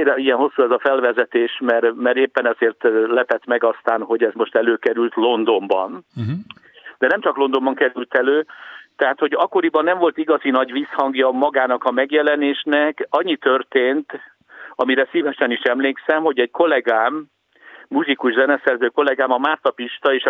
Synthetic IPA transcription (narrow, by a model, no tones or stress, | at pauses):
iɡɛnho̞sːuɛzɒfɛlvɛzɛt̪eːʃmɛrmɛɾeːpːɛnɛzeːrt̪lɛpɛt̪mɛɡɒst̪aːnɦo̞ɟɛzmo̞ʃt̪ɛløːkɛɾylt̪lo̞nd̪o̞mbɒ̰n | d̪̥ɛnɛmt͡ʃɒklo̞nd̪o̞mbɒŋkɛɾylt̪ɛløːt̪ɛɦaːt̪ho̞ɟɒkːo̞ɾibɒnːɛɱvo̞lt̪iɡɒzinɒɟʋiːshɒŋɡjɒmɒɡaːnɒkɒmɛɡjɛlɛneːʃnɛkɒɲːit̪ørt̪eːnt̪ | ɒmiɾɛsiːvɛʃɛniʃɛmleːksɛmho̞ɟɛɟko̞lɛɡaːmː | uʒikuʒzɛnɛsɛrzøːko̞lɛɡaːmɒmaːrt̪ɒpiʃt̪ɒeːʃ